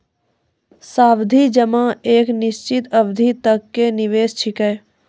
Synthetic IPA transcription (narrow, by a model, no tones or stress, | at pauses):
saːbd̪ʱid͡ʒəmãeːknɪʃt͡ʃɪt̪əbd̪ʱit̪əkːenɪʋeːst͡ʃʰɪkəj